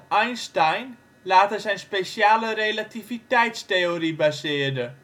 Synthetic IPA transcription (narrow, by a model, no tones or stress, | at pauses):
ajnstajn | laːtəsɛjnspeʃjaːlərejlativitɛjtsteoribasɪərdə